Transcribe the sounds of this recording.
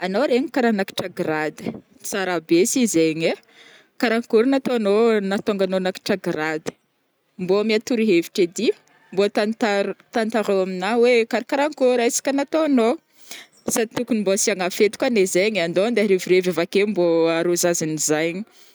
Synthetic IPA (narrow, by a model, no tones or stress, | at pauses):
anoɾeɲikaɾanaki̥ʈ͡ʂaɡɾad̪ə̥ | t͡saɾabesizeɲe | kaɾaŋkuɾnat̪oanonat̪oŋɡanonaki̥ʈ͡ʂaɡɾad̪ə̥ | mboamiat̪uɾiɦeviʈ͡ʂed̪i | mbot̪ant̪aɾt̪ant̪aɾowaminawekaɾkaɾaŋkuɾasḁkʲənat̪oano | sait̪ukunimbosiaŋafet̪u̥kanezeɲand̪ond̪eɾeviɾevevakemboaɾuzazinizajɲi̥